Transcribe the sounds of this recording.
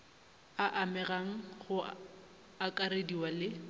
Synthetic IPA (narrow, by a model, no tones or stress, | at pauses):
aʔamɛraŋ̩χʊ | akʼaɾediwalɪ